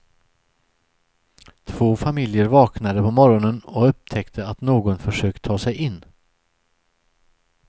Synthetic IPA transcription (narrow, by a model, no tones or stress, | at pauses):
t̪ʰv̥oːfamɪljəɾvɑːknad̪əpʰɔmɔɾɔnənɔɵp̚t̪ʰɛkt̪ʰəat̪noːɡɔnfœʂøːkt̪ʰɑːsɛjʔɪnː